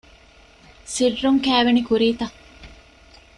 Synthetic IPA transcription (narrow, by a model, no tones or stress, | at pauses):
sirːuŋkæːʋenikuɾiːt̪ɐ